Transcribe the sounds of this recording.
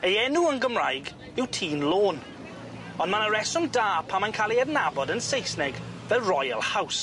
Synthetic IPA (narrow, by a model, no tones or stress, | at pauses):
əjɛnuənɡəmrajɡ | ɪwtʰiːnloːn | ɔnmanəɹɛsɔndaːpʰamankʰalˠiɛdnabɔdənsejsnɛɡvɛlrɔjə̰lˠhaws